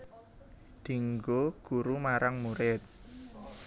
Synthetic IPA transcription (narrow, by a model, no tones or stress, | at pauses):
d̪̥i̤ŋɡoɡ̥uɾumaɾaŋmuɾɪt̪̚